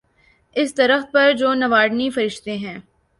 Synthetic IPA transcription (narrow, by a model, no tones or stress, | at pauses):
ɪst̪ɐɾəxt̪̚pɐɾd͡ʒoːnɐʋaːɖnifɐɾɪʃt̪eɦɛ̃ː